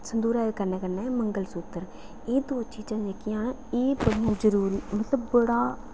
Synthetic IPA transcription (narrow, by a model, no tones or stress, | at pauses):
sənd̪uːɾaːkəɾneːkəɾneːməŋɡəlsʊt̪ːəɾ | eːd̪oːt͡ʃiːd͡ʒãːd͡ʒekɪjãː | eːpəɽiãːzəɾuːɾiːmət̪ləbbəɽaː